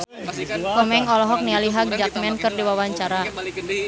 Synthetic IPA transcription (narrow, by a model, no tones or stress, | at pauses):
ʔɔmɛŋɔlɔɦɔk̚nialiɦaɡ̚d͡ʒak̚mɛnkɨrdiwawaɲt͡ʃaɾa